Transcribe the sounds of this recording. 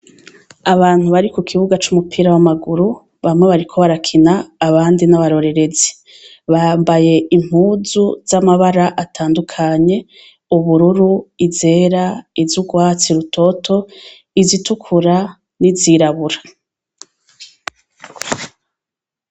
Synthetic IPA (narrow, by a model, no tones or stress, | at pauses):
aβaːn̥huβaɾikukʰiβuɡat͡ʃumupʰiːɾawamaɡuɾu | βamŋe̞βaɾikʰo̞βaɾakʰinaːβaːndinaβaɾo̞ɾe̞ɾe̞zi̥ | βambaje̞im̥huːzuz̥amaβaɾaʔatʰaːndukʰaɲe̞ | uβuɾuɾuize̞ːɾaizuɡwaːt͡siɾutʰo̞tʰo̞ | izitukʰuɾa | niziɾaβuɾḁ